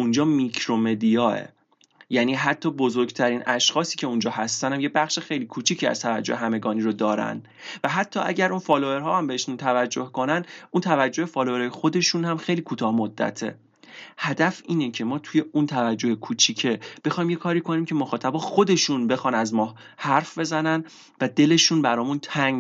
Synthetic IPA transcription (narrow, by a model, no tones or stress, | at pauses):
ʔund͡ʒɒːmikʰɾome̞d̪ijɒːḛ | jæniːɦæt̪ʰːɒːbo̞zoɾɡt̪ʰæɾiːnʔæʃxɒːsiːcʰe̞und͡ʒɒːɦæst̪ænhæmjebæχʃexe̞jliːkʰuːt͡ʃʰiːcʰiːæ̰z̥t̪ʰævæd͡ʒːoheɦæme̞ɡɒːniːɾod̪ɒːɾæ̰nd̪ | væɦæt̪ʰːɒːʔæ̰ɟæɾunfɒːloe̞ɾɦɒːhæmbeheʃunt̪ʰævæd͡ʒːohko̞nænd̪unt̪ʰævæd͡ʒːo̞hefɒːloeɾhɒːjexo̞d̪e̞ʃunhæmxe̞jliːkʰuːt̪ʰɒːhmod̪ːæ̰t̪ʰe̞̰ | hæd̪æfiːnecʰe̞mɒːt̪ʰuje̞unt̪ʰævæd͡ʒːohekʰut͡ʃʰiːcʰe̞b̥e̞xːjmje̞kʰɒːɾiːkʰo̞niːmcʰemoxɒːt̪ʰæbɒːxo̞d̪e̞ʃunbe̞xɒːnæzmɒːh | hæɾfbe̞zænæn | væd̪e̞le̞ʃunbæɾɒːmunt̪ʰæŋ